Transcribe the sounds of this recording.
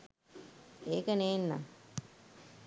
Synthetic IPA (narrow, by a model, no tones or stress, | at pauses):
eːkəneːnːa̰ŋ